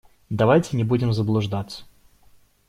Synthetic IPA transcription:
d̪ɐvajtʲɪnʲɪbudʲɪmzəblˠʊʐd̪at̪sːə̥

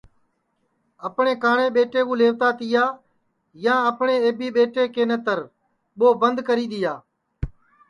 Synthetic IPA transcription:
əpɳeːkaːɳeːɓeːʈeːkũːleːʋt̪aːt̪ɪjaː | jãːəpɳeːeːbiːɓeːʈeːkeːnət̪əɾ | ɓoːbənd̪kəɾiːɗ̪ɪjaː

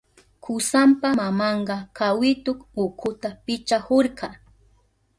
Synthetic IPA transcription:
kʰʊsampamamɑɴɢɑkʰawɪt̪okʊkʰʊt̪apɪt͡ʃahoɾqɑ

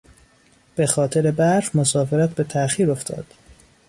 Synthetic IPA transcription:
b̥e̞xɒːt̪ʰeɾe̞bæɾfmosɒːfeɾæt̪̚be̞t̪ʰæxiːɾo̞ft̪ʰɒ̰ːd̪̥

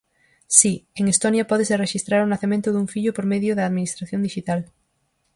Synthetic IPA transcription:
sieŋest̪onjapɔðesereʃist̪ɾaɾʊnaθemẽnt̪ʊðuŋfiʎʊpoɾmeðjoðaːðminist̪ɾaθjond̪iʃit̪al

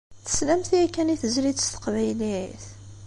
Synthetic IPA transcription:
θə̥slæmθiækːæniθəzɾid̪əst̪ə̥qvæjliθ

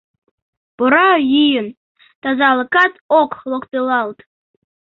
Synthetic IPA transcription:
poɾɑjijən | t̪ɑzɑlˠə̆kɑt̪okχlˠokt̪ɤlˠɑlˠt̪

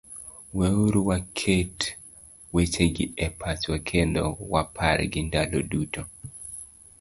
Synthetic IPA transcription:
wɛuɾuwakʰet | wet͡ʃeɡɪɛpʰat͡ʃwakʰendɔ̰wapʰaɾɛ̰ɡɪndaloduto

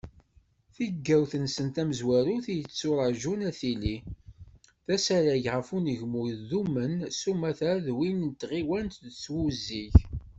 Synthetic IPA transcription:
θiɡːæwθənsənt̪æməzwæɾuθijət͡sːʊɾˤəʒunæθili | θæsæɾæʝʁəfunəʝmujðumənsumæθæðwint̪ːʁiwænt̪ðət͡sːwuziʝ

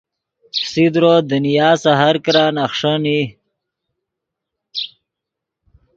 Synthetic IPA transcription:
sid̪ɾod̪ənijaːsaɦaɾkɾanaxʂəni

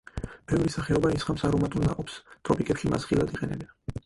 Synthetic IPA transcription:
b̥ɛvɾisaχɛɔbaisχamsaɾɔmat̪ʼulˠna̰qʼɔpst̪ʼɾɔpʼikʼɛpʃima̰sχilˠad̪iqʼɛnɛbɛn

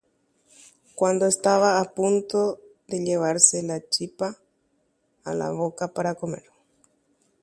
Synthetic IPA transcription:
kwand̪oest̪aβaːpunt̪oðeʎeβaɾselat͡ʃipa | la̰βokapaɾakomḛɾ

